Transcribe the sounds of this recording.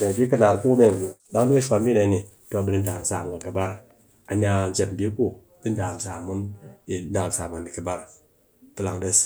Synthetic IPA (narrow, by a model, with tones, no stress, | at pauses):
de˨fʲi˦kɨ˦na˨ɾku˦me˨ŋ˨la˦ŋ˦du˦i˦ʃʷa˧˨˦m˦i˦na˨˦ni˨ | to˦˨bi˨ni˦n̩˦da˨n̩˨sa˨mɡa˨kɨ˨ba˦ɾ | a˨ɲ˦a˧˨n̩˦d͡ʒe˨m̩˨bʲi˦ku˦ | bi˦n̩˦da˨n˨sa˨mu˦ni˨˦da˨sa˨ma˨ni˨kɨ˨ba˦ɾ | tɨ˦la˨ŋdə˦s